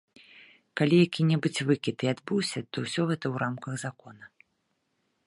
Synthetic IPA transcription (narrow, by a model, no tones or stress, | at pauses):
kalʲijakʲinʲɛbɨt͡sʲvɨkʲit̪iad̪bɨwsʲɐt̪ɔwsʲɔɣɛt̪ɐwɾamkɐɣzakɔnɐ